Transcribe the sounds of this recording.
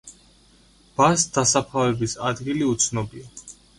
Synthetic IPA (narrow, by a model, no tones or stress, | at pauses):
b̥asd̪̥asapʰavɛbisad̪ɡiliut̪sʰnɔbia